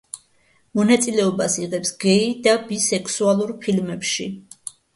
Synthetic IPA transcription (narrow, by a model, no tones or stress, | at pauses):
mɔnat̪sʼilɛɔbasiʁɛpsɡ̥ɛid̪abisɛksualˠuɾpʰilmɛpʃḭ